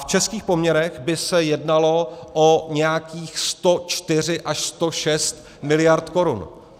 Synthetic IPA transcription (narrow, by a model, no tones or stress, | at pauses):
ft͡ʃɛskiːxpo̞mɲɛɾɛɣbɪsɛjɛdnalo̞ʔoɲɛjakiːxst̪o̞t͡ʃt̪ɪr̝ɪʔaʃst̪o̞ʃɛst̪ | mɪlɪjaɾt̪ko̞ɾun